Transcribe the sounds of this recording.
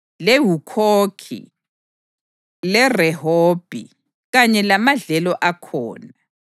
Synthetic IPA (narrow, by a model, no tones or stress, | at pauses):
leɦukʰoːkʰḭ | lɛrɛɦoːb̥ʱḭ | ɣaɲɛlamaɮɛlɔʔakʰɔ̰ːna